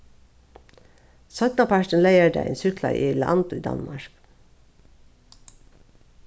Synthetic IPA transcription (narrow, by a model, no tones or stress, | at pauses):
sɔt̪nɑpʰæʃɳ̩leɪəɖæ̰ḛnsʏklɑ̰ʔḭːlɑ̰nd̪ʊiːd̪ɑ̰nmɑɹk